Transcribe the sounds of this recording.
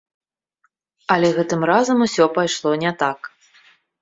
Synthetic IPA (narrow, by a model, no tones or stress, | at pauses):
ɐlʲɛɣɛt̪ɨmɾazɐmusʲɔpajʂlˠɔnʲɛt̪ak